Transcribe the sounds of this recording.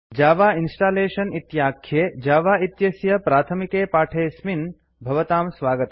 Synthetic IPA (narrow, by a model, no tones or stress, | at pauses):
d͡ʒaːʋaːinsʈaːleːʃɐnit̪jaːkʰjeːd͡ʒaːʋaːit̪jɐsjɐpɾaːt̪ʰɐmikeːpaːʈʰeːsmin | bʱɐʋɐt̪aːmsʋaːɡɐt̪ɐ